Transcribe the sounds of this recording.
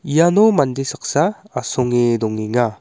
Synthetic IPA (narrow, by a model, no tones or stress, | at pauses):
ijanɔmand̪esak̚saː | sɔŋed̪ɔŋiŋa